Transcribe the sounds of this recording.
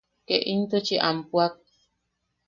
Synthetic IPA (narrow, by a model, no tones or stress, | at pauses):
keʔint̪ot͡ʃiʔampuak̚